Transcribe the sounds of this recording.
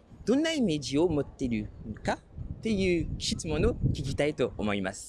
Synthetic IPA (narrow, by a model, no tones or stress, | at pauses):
d̪̥õ̞nːaime̞ʑiomo̞t̪ːe̞ɾɯ̟ka | t̪e̞jɯ̟ːkʲi̥ɕi̥t͡sɨmo̞nokʲikʲit̪ait̪o̞ʔːmo̞ima̰sɨ̥